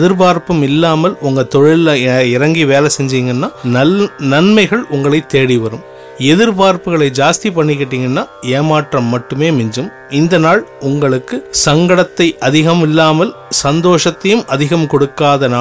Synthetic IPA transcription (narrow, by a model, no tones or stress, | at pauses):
ðɪɾpaːɾpɯmɪlːaːmɐlʊŋɡɐt̪ɔɻɪlːɐɪɾɐŋɡiʋeːlɛsɛɲd͡ʒiːŋɡɐnːaːnɐnɐnmɐɪɣɐɭʊŋɡɐɭɐɪt̪ːeːɽiʋɐɾɯm | ɛðɪɾpaːɾpɯɣɐɭɐɪd͡ʒaːst̪ipɐɳːɪkːeːʈːiːŋɡɐnːaːeːmaːʈrɐmːɐʈːɯmeːmɪɲd͡ʒɯm | ɪnd̪ɐnaːɭʊŋɡɐɭɯkːɯsɐŋɡɐɽɐt̪ːɐɪʔɐðɪɣɐmɪlːaːmɐl | sɐnd̪oːʂɐt̪ːɐjɯmɐðɪɣɐmkɔɽɯkːaːðɐnaː